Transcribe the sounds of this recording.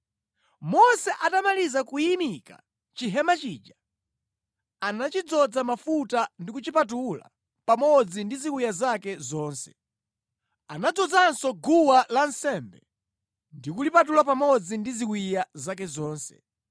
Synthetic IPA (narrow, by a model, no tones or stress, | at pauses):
mɔsɛʔatamalizakujimika̰ | t͡ʃiɦɛmat͡ʃiːd͡ʒa | anat͡ʃid͡zɔd͡zamafutandikut͡ʃipat̬ula̰ | pamɔd͡zindizikwijazakɛzɔːnsɛ̥̰ | anad͡zɔd͡zansɔɡuwalan̩sɛmbɛ | ndikulipat̬ulapamɔd͡zindizikwijazak̬ɛzɔːnsɛ̰